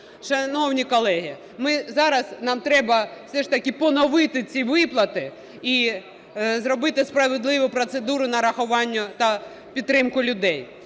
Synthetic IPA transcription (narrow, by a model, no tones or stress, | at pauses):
ʃɐnɔwnʲikɔlˠɛɦi | mɪzɑɾɐznɑmt̪ɾɛbɐ̥sɛʃt̪ɐkɪpɔnɔʋɪt̪ɪt͡sʲiʋɪplˠɐt̪ɪ | i | zɾɔbɪt̪ɪspɾɐʋɪd̪lˠɪʋʊpɾɔt̪sed̪uɾʊnɐɾɐxʊʋɑnʲːɐt̪ɐ | pʲid̪t̪ːɾɪmkʊlʲʊd̪ɛj